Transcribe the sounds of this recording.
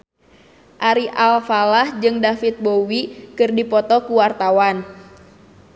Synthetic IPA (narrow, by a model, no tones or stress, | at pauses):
ʔaɾiʔalfalahd͡ʒɨŋdafit̪̚bowikɨrdipɔt̪ɔkuwart̪awan